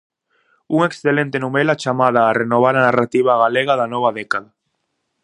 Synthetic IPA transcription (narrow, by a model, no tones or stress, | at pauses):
uŋeksθelẽnt̪enumelat͡ʃamað̞aːrenoβ̞aɾanarat̪iβ̞aɣaleɣaðanɔβaðɛkaða